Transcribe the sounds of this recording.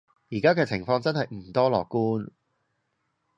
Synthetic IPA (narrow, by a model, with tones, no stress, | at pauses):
jiː˨˩kaː˥kɛː˧t͡sʰɪ˨˩ŋfɔː˧ŋt͡sɐ˥nhɐ˨jm̩˨˩t̪ɔː˥lɔ̰ː˨kːuː˥n